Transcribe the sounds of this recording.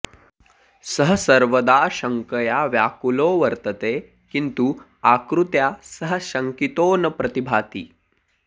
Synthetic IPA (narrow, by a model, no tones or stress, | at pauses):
səɦəsɐɾʋəd̪aːɕəŋkəjaʋjakuloːʋɐɾt̪ɐt̪e | kint̪u | akɾut̪jasəɦəɕɐŋkit̪oːnɐpɾɐt̪ibʱaːt̪ḭː